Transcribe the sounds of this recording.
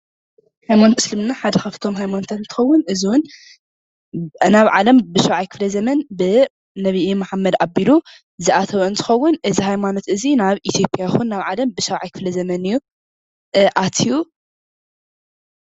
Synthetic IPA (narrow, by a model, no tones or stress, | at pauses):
hajmant̪ʰɨslɨmnːaħad̪ɐxɐft̪ʰo̞mɦajmanot̪ʰɐnɨnt̪ʰɨ̥xɐwːʊnʔɨziwʊn | naβʕalɐmbɨʃɐwʕajkʰɨ̥flɐzɐmɐnbɨ | nɐβiʔimaħamːɐd̪abilu | zɨʔat̪ʰɐβɐɨnt̪ʰɨ̥xɐwːʊnʔɨzihajmano̞t̪ɨzinaβit̪ʰjo̞pʼjajxunːaβʕalɐmbɨʃɐwʕajkʰɨflɐzɐmɐnɨjːu | ʔat̪ʰiju